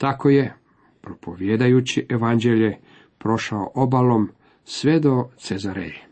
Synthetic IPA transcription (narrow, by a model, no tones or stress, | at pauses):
t̪ako̞je̞ | pɾopʰo̞ʋjeːd̪ajut͡ɕiʔeʋand͡ʑeʎe | pɾo̞ʃao̰ʔobalo̞m | sʋed̪o̞t̪sezaɾḛʎe